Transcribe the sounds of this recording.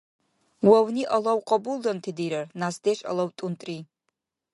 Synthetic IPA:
wawniʔalawqʼabuldantʰidijɾarnasdeʃʼa̰lawtʼuntʼri

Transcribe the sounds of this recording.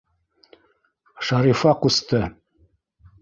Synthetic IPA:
ʃɑɾifɑqust̪ɤ

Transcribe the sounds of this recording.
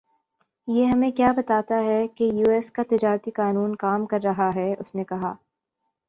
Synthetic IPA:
jeːɦɐmẽkjaːbɐt̪aːt̪aɦɛkejuːɛːskat̪ɪd͡ʒaːɾət̪ikaːnuːnkaːmkɐɾːɐɦaɦɛʊsnekɐɦa̰ː

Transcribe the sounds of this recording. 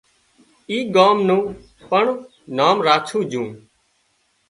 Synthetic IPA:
iːɡaːmnũː | pəɳ | naːmɾaːt͡ʃʰũːd͡ʒũː

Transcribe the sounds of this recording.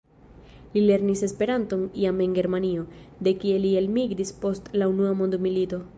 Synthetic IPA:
lile̞ɾnise̞spe̞ɾanto̞niame̞nɡe̞ɾmanio̞d̪e̞kie̞lielmiɡɾispo̞stlaunuamo̞nd̪milito̞

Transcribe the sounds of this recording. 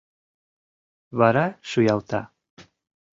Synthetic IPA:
βɑɾɑʃujɑlˠt̪ɑ̰

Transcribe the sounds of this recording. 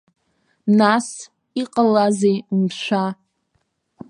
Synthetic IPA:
nas | iqʼalazejumʃʷa

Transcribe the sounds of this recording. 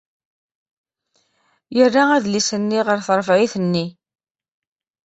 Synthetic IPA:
jərːaæðlisənːiʁəɾθɾˤəfʕiθənːi

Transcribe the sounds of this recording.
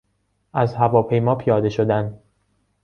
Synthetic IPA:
ʔæzhævɒːpʰe̞jmɒːpʰijɒːd̪e̞ʃod̪æn

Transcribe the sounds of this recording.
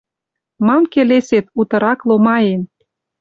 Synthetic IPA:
mɑmkeleset̪ut̪ə̆ɾɑklomɑjen

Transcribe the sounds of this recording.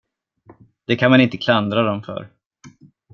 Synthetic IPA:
d̪̥ɛkʰanmanɪnt̪əkʰland̪ɾad̪ɔmfœ̰ɾ

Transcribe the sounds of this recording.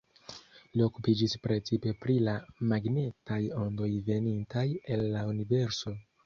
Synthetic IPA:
lio̞kupid͡ʒispɾe̞t͡sipe̞pɾilamaɡne̞tajo̞ndo̞jve̞nintajelːaunive̞ɾso̞

